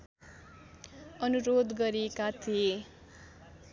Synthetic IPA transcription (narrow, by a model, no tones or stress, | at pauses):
ʌnuɾod̪ɡʌɾekat̪ʰie